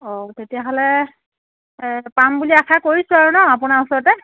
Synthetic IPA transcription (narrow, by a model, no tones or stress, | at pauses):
ɔtetijaɦɔlɛ | pambuliakʰakoɹisʊaɹunɔapunausɔɹɔtɛ